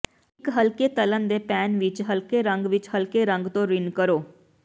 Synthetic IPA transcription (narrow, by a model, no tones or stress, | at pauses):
ɪkɦəlkeːt̪ələnd̪eːpɛːnʋɪt͡ʃɦəlkeːɾə̃ŋɡʋɪt͡ʃhəlkeːɾə̃ŋɡt̪õːɾɪnkəɾoː